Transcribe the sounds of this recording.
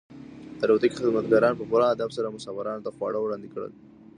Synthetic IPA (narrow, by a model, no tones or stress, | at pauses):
t̪aɾot̪ikixɪd̪mat̪ɡɑɾɑnpəpʊɾɑad̪absaɾamʊsɑfaɾɑnot̪axwɑ̰ɽawɽɑnd̪ikɽə̰l